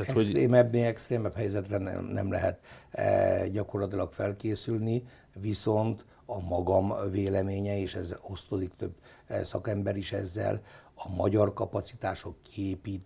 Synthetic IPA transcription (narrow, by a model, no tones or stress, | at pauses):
ɛostɾeːmɛbneɛkst̪ɾeːmɛphɛjzɛt̪rɛn̰nɛ̰mlɛ̰ɦɛt̪ | ɟɒko̞rlɒt̪ilɒkfɛlkeːsylni | viso̞nt̪ | ɒmɒɡɒmveːlɛmeːɲɛeːʃɛzo̞st̪od̪ikt̪øbːsɒ̰kɛmbɛɾiʃɛ̰zːɛ̰lɒmɒɟɒrkɒpɒt̪si̥t̪aːʃo̞kːieːpiːt̪